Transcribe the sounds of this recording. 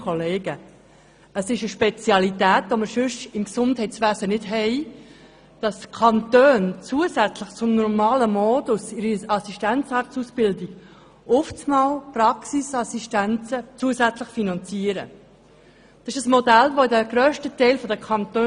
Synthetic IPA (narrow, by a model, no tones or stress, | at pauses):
kʰɔleːɡə | əsɪʃəʃpɛt͡sjɑlit̪æːt̪ʋoməɾʃʏʃɪmksʊndhɛɪtsʋæːzənɪdɦɛɪ | d̥ɑskʰɑnt̪øːnt͡suəsæt͡slɪχt͡sʊmnɔɾmɑːləmɔːdʊsɪɾiɑsiʃtænt͡sɑɾtsusb̥ɪldɪɡ̥ | ʔʊft͡smɑlprɑksisɑsiʃtænt͡sət͡suəsæt͡sləχfinɑnt͡siəɾə̰ | d̥ɑsɪʃəsmɔdælʋoɪdəɡɾœːʃtətɛɪlfɔdəkʰɑnt̪øː